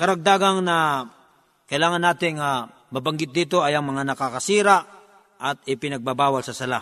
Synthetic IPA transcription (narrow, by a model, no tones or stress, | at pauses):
kɐɾɐɡ̚d̪aːɡɐŋnɐ | kɐjlaːŋɐnːaːt̪ɪŋːa | mɐbɐŋɡɪt̪̚d̪iːt̪o̞ɐjɐŋmɐŋanɐkakɐsiːɾa | ʔɐt̪̚ɪpɪnɐɡ̚babaːwalsɐsɐla